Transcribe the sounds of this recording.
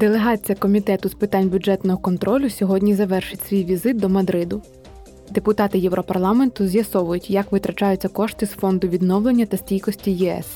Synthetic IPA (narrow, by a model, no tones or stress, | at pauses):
d̪elˠe̞ɦɑt͡sʲijɐkɔmʲit̪ɛt̪ʊspɪt̪anʲbʲʊdd͡ʒɛt̪nɔɦɔkɔnt̪ɾɔlʲʊsʲɔɦɔdʲnʲizɐʋɛrʃɪtʲsʲʋʲijʋʲizɪt̪̚d̪ɔmɐd̪ɾɪd̪ʊ | d̪epʊt̪ɑt̪ɪjɛʋɾɔpɐrlˠɑme̞nt̪ʊzʲjɐsɔʋʊjʊtʲjɐkʋɪt̪ɾʔɐt͡ʃɑjʊt͡sʲːɐkɔʃt̪ɪsfɔnd̪ʊʋʲid̪nɔwlˠe̞nʲːɐt̪ɐsʲtʲijkɔsʲtʲijɛɛ̰s